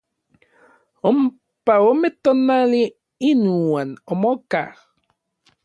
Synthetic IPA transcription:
om | paomet̪onali | inuwanomoka̰

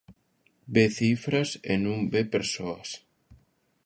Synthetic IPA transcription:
beθifɾɐsḛnũŋbepeɾsoɐs

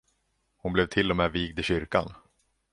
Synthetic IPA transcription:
hʊnblɛvt̪ʰɪlːɔmeːviːɡd̪ɪɕʏɾka̰n

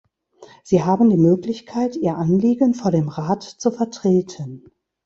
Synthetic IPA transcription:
z̥iːɦaːbn̩diːmøːklɪçkʰaɪtʔiːɐʔanliːɡənfoːɐdeːmʁaːtt͡sufɛɐtʁ̥eːtʰən

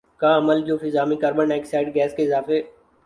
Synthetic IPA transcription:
kãɐməld͡ʒoːfɪzaːmikaːɾbəɳɖɛːksaːɪɖ̚ɡɛːskeɪzaːfe

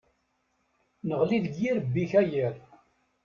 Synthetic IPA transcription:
nəʁliðəɡjiɾəbːiçæjəɾ

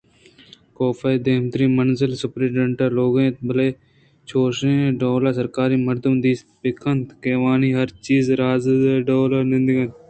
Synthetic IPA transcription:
koːfaed̪eːmt̪ɾiːmənzɪlsʊpɾiːɖɐ̃ɳʈəɾloːɡẽːt̪bɐleː | t͡ʃʰoːʃẽːɖoːlaːsɐɾkaːɾiːmɐɾd̪əmd̪iːsbɪkʰənt̪keːʋaːniːɦɐɾt͡ʃiːzɾaːzeːɖoːlaɾnɪ̃nd̪ɪɡɐn

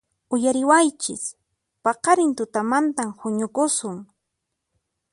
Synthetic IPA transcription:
ʊjaɾɪwajt͡ʃɪs | pɑqɑɾɪnt̪ʊt̪amant̪amhʊɲʊkʊsʊŋ

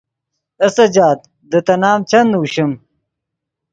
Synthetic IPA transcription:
ɐsɐd͡ʑaːt̪̚ | d̪ət̪ɐnaːmt͡ɕɐnd̪uuɕim

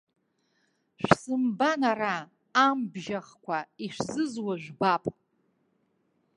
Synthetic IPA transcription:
ʃᶣsɨmbanaraː | mbʒaχkʷʰaiʂzɨzwaʒʷᶣbapʼ

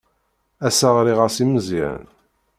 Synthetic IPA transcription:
æsaʁɾiʁəɾsiməziə̰n

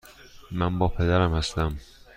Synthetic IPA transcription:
mænbɒːpʰe̞d̪æɾæmhæst̪æm

